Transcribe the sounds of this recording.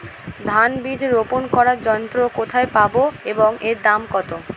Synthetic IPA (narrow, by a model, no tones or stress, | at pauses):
d̪ʱanbid͡ʑ̪ʱeɾoponkɔɾaɾd͡ʑɔnt̪ɾokot̪ʰaepaboeboŋeɾd̪amkɔt̪o